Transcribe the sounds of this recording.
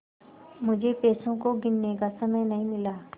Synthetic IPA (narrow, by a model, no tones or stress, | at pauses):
mʊd͡ʒʱepɛːsõkoɡɪnːekasɐməjnɐɦĩmɪlaː